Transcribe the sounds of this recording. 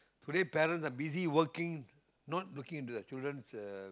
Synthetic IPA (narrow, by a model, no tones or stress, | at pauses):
tudepɛɾə̃nsabiziwəkɪ̃ŋ | nɔt̚lukɪ̃ŋĩnt̬ud̪ət͡ʃildɹə̃ns